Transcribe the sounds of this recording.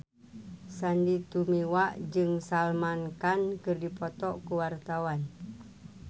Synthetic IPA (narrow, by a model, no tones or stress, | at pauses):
sandit̪umiwaʔd͡ʒɨŋsalmankankɨrdipɔt̪ɔʔkuwart̪awan